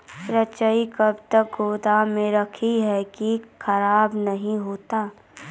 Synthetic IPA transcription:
pɾət͡ʃəikɐbt̪ək̚ɡoːd̪amẽɾɐkʰiɦɛkikʰɐɾaːbnɐɦĩɦoːt̪aː

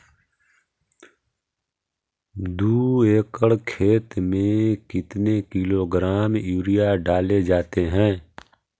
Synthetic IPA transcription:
d̪uːeːkəɽkʰeːt̪mẽkɪt̪nekɪloɡɾaːmjuːɾijaɖaːled͡ʒaːt̪eɦɛ̃ː

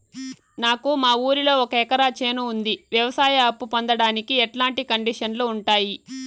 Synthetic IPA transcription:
naːkumaːuːɾilo̞ːɔkɐɛkɐɾaːt͡ʃeːnuːnd̪iʋjɐʋɐsaːjɐɐpːupond̪ɐɽaːnikiɛʈlaːɳʈikɐɳɖiʂɐnloːuɳʈaːji

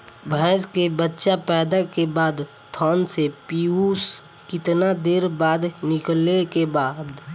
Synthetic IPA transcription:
bʱɛːskebətːʃapɛːd̪akebaːd̪ | t̪ʰaːnsepiːus | kɪt̪nad̪eːɾbaːd̪nɪklekebaːd̪

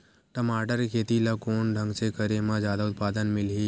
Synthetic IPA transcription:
ʈəmaːʈəɾkʰeːt̪ilakoːnɖʱə̃ŋɡsekəɾemãd͡ʒjaːd̪aʊt̪̚paːd̪ənmɪli

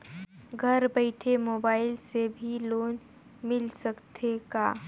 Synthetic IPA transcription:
ɡʱɐɾbəɪʈʰemoːbaːɪlsebʱiloːn | mɪlsəkt̪ʰekaː

